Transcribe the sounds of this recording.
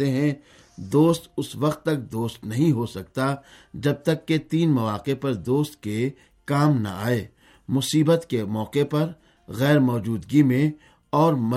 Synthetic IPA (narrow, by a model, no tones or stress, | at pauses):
eɦɛ̃ | d̪oːst̪ʊsʋɐqt̪ːɐk̚d̪oːst̪nɐɦĩɦosɐkt̪a | d͡ʒɐb̚t̪ɐkːet̪iːnmɐʋaːqepɐɾd̪oːst̪ke | kaːmna̰a̰ːeː | mʊsiːbət̪kemɔːqepɐɾ | ɣɛːɾmɔːd͡ʒuːd̪ɡimẽ | ɔːɾmɐ